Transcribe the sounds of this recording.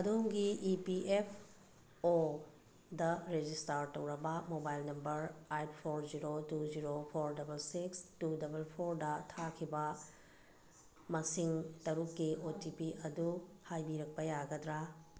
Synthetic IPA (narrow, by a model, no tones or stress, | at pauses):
ɐdoŋɡiʔːpiepʰ | o | dɐɾed͡ʒistɐɾtɐwɾɐbɐmobajlnɐmbɐɾajtpʰoɾziɾotud͡ʒiɾopʰoɾdɐbɐlsikstudɐbɐlpʰoɾdɐtʰakʰibɐ | mɐsiŋtɐɾukːiʔotipiɐdu | hajbiɾɐk̚pɐjaɡɐdɾa